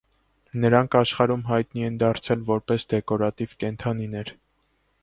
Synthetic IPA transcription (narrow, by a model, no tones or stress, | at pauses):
nəɾɑŋkʰɑʃχɑɾumɦɑjt̪niɛnd̪ɑɾt͡sʰɛlvɔɾpɛsd̪ɛkɔɾɑt̪ivkɛnt̪ʰɑninɛɾ